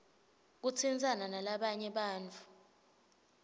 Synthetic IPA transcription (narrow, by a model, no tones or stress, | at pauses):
k̬ut͡sʰind͡zʱananalaɓaɲɛɓaːnt͡fʰu̥